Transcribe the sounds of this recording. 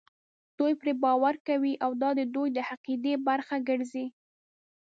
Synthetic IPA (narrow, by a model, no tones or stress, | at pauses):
d̪̥ojpɾebɑwaɾkawiʔawd̪ɑd̪əd̪ojd̪əhaqid̪ebaɾxaɡəɾzi